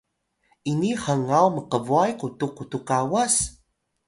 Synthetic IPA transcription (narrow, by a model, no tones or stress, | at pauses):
iniχəŋawməqəvuajkutukutukawas